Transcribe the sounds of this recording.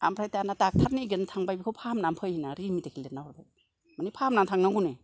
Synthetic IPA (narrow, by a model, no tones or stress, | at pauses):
a̰mpʰɾajtanatak̚tʰaɾniɡenatʰaŋbajbikʰowpʰamnampʰɯjhinaɾimitakʰilet̚nawɾba | manipʰamnamtʰaŋnaŋɡune